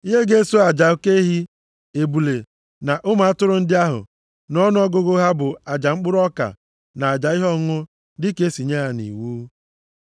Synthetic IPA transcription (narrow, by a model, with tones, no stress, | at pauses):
i˦ɦe˦ɡe˦so˦a˨d͡ʒa˨o˦ke˦ɦi˦ | e˨bu˨le˨ | na˨ʔʊ˦ma˨a˦tʊ˦ɾʊ˦n̩˦dɪ˦a˦ɦʊ̰˨ | nɔ˦nʊ˦ɔ˦ɡʊ˦ɡʊ˦ɦa˦bʊ˨a˨d͡ʒa˨ŋ͡m̩˦k͡pʊ˦ɾɔ˦ka̰˨ | na˨a˨d͡ʒa˨i˦ɦɔ˦ŋʊ˦ | dɪ˦ke˦si˨ɲe˦ɦa˨nḭ˨wuː˦